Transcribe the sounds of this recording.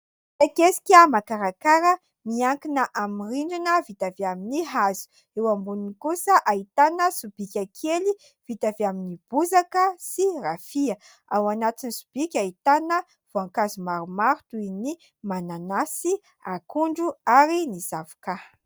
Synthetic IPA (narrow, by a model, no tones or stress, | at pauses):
takesi̥kʲamakaɾakaɾə | miaŋkinəʔamiriɳɖ͡ʐinəvit̪aviaminiɦazu̥ | ewambuninikusəʔait̪anəsub̥ikʲakʰeli | v̥it̪aviaminib̥uzakəsirafiə | awanat̪inisu̥b̥ikʲait̪anə | v̥oaŋkazumaɾumaɾut̪uini | mananasi | a̰kuɳɖ͡ʐuaɾinizavḁka